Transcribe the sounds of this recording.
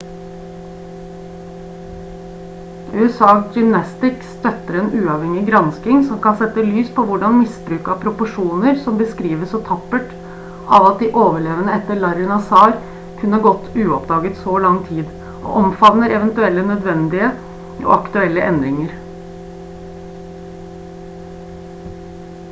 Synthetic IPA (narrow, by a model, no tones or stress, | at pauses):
ʉːɛsɑːd͡ʒʏmnɑst̪ɪkst̪œt̪ːəɾɛnʉːɑːʋhɛŋɪɡɾɑnskɪŋsɔmkɑnsɛt̪ːəlyːspʰɔʋʊɖɑnmɪsbɾʉːkɑpʰɾʊpʊʂuːnəɾsɔmbəskɾiːʋəsɔt̪ʰɑpːəʈ | ɑ̰ʋɑt̪̚d̪ɪʔoːʋəɭeːʋənəɛt̪ːəɭɑɾʊnɑsɑːɾ | kʰʉnːəɑɡɔt̪ːʉːɔpd̪ɑːɡət̪sɔlɑŋːt̪ʰiːd̪ | ʔɔ̰ʔɔmfɑnnəɾɛʋɛnt̪ʉɛlːənœd̪ʋɛnd̪ɪə | ʔɔ̰ɑkt̪ʉɛlːəʔɛnd̪ɾɪŋəɾ